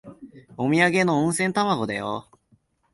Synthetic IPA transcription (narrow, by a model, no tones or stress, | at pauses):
omʲiaɡe̞noɯ̃ɰ̃sẽnt̪amaɡo̞d̪ajo̰